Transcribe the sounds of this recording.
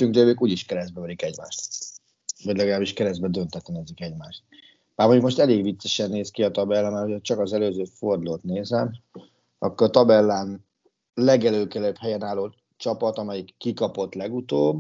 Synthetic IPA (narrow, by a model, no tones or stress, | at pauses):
yŋɡd͡ʒøːbøːkuːɟiʃkɛɾɛzd̪bɛvɛd̪ikɛɟma̰ːʃt̪ | vɒɟlɛɡɒlaːbliʃkɛɾɛzbɛd̪ønt̪ɛt̪lɛnɛzikɛɟmaːʃt̪̚ | baːɾrmoɲɟukmo̞ʃt̪ɛleːɡʋit̪sɛʃɛnːeːskiɒt̪ɒbɛlːɛmɛːrhocɛt͡ʃɒkɒzɛløːzøːford̪uloːt̪neːzɛm | ɒkːoɾɒt̪ɒbɛlːaːn | lɛɡɛløːkɛløphɛjɛnaːloː | t͡ʃɒpɒt̪ɒmɛjikːikɒpo̞t̪lɛɡut̪oːb